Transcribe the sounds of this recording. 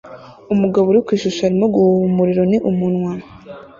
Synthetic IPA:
umuɡaβoɾikwiːʃuʃaɾimoɡumuɾiɾo̞niʔumunwa

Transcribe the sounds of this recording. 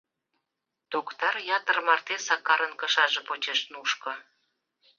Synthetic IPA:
t̪okt̪ɑrjɑt̪ərmɑrt̪esɑkːɑɾənkə̆ʃɑʒepot͡ɕeʃnuʃkɤ̆

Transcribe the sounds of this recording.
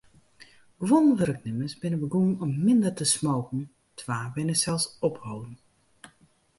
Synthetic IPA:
ɡ̥ʋɔnʋəɾək̚nɪməsbɪnəʋəɡuənɔmːɪndərtəsmoːkn̩ | tʰʋaːʋɪnəsɛlˠsɔphowdn̩

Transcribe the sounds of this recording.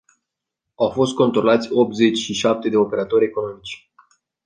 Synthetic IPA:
awfo̞st̪̚ko̞nt̪ɾo̞lat̪sʲo̞p̚t̪ze̞t͡ʃʲʃiʃap̚t̪e̞d̪e̞ope̞ɾat̪o̞ɾʲe̞ko̞no̞mit͡ʃʲ

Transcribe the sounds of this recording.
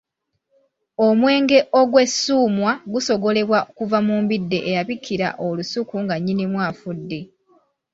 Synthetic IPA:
o̞mwe̞ːŋɡe̞ʔo̞ɡwe̞sːuːmwaɡuso̞ɡo̞le̞βwaokuvamuːmbidːe̞ʔːjaβikʰːiɾa̰ʔolusukuŋɡaɲːinimwaːfudːe̞

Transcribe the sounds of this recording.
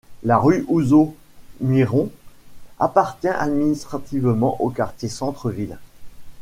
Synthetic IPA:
laʁyʔuzo | miʁɔ̃ | a̰paʁt̪jɛ̃ʔa̰d̪minist̪χat̪ivmɑ̰̃ʔokaʁt̪jesɑ̃t̪χəvil

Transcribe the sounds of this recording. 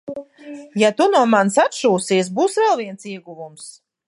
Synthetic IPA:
jat̪unuɔmansat̪ʃuːsiɛs̬buːsvɛlˠviɛnsiɛɡuvums

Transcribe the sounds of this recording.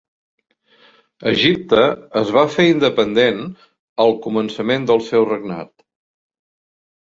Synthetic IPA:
əʒip̚t̪əːzβafeind̪əpənd̪en | əlˠkumənsəmend̪əlˠsɛwrəɡna̰t̪

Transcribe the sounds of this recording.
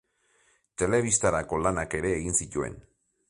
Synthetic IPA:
t̪e̞leβist̪aɾakolanakeɾeːɣinsicuḛn

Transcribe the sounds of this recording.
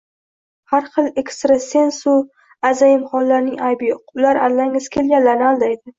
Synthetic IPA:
haɾχɨlˠe̞kʲst̪ɾase̞nsʊ | azajɪmχɒlːaɾnɪŋajbiqʰʊʊlaɾalːaŋɪz̥kʲʰe̞lɡʲanlːaɾnɪald̪ajd̪ɪ

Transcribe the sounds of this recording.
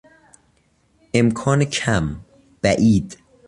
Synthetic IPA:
ʔe̞mkʰɒːnecʰæm | b̥æʔiːd̪

